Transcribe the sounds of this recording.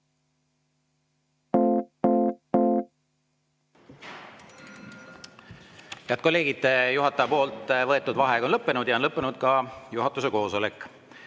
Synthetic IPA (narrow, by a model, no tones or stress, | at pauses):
peɑd̪̥̚ko̞lːe̞ːɡ̥id̪ejuɦɑt̪ːˑɑjɑpo̞ːlt̪ːˑvɤet̪ːˑud̪vɑɦe̞ɡɑonlɤpːe̞nud̪̥jɑonlɤpːenud̪̥kɑjuɦɑt̪ːˑuseko̞ːso̞lekːˑ